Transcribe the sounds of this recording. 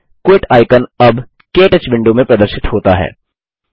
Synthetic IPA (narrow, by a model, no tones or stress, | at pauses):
kwɪʈaːɪkənɐb | keːʈət͡ʃbɪ̃ɳɖumẽpɾɐd̪əɾʃɪt̪ɦoːt̪aɦɛ̰ː